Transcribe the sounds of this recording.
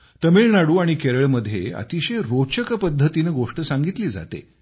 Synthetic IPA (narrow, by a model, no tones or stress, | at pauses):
t̪əmiɭnaɽuːaɽ̃ikeɾəɭməd̪ʱːjḛə̰t̪iɕeɾot͡ɕəkəpəd̪ʱːət̪inəɡoʂʈəsaŋɡit̪liːd͡za̰t̪ḛ